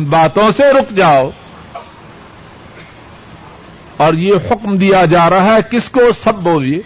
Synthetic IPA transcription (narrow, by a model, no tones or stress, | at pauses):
nbaːt̪õseɾʊkd͡ʒaːo | ɔːɾjehʊkmd̪ijad͡ʒaːɾaɦɛkɪskosɐbːoːlieː